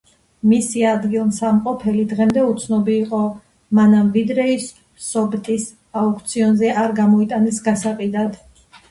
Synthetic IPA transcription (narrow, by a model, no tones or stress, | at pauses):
misiad̪ɡilˠmsamqʼɔpʰɛlid̪ʁɛmd̪ɛut̪sʰnɔbiːqʼɔ | manamvid̪ɾɛisː | ɔbt̪ʼis | aukʰt̪sʰiɔnzɛʔaɾɡamɔit̪ʼanɛsɡasaqʼid̪ad̪